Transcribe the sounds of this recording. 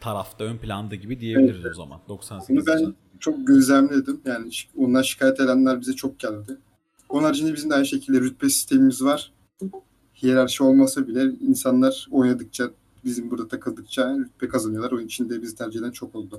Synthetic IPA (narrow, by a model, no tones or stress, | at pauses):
t̪ʰaɾaft̪ʰaønplʲa̰nd̪ɯɟibid̪ijeevɛiɾiɾza̰ma̰nd̪oksanunubæn | t͡ʃʰo̞k̚ɟøzlʲæmlʲed̪imjaːni̥onlˠaɾʃi̥kʰaːjɛt̪ʰe̞d̪ænlʲæɾbizɛt͡ʃʰo̞k̚ɟælʲd̪ɪ | boaɾd͡ʒʰind̪ɛbizimd̪aj̪ʃe̞cʰilʲd̪ɛɾyt̪̚bɛsi̥st̪ʰe̞mimizvaɾ̥ | hijelʲæɾʃio̞lˠmasabilʲɛinsanlˠaɾ̥o̞jnad̪ɯk̚t͡ʃʰa | bizimbuɾd̪at̪ʰakʰɯlˠd̪ɯk̚t͡ʃʰaɾyt̪̚bɛkʰazanɯjo̞lˠaɾo̞nunit͡ʃʰind̪ɛbizit̪ʰæɾd͡ʒid̪ænt͡ʃʰo̞ko̞lˠd̪u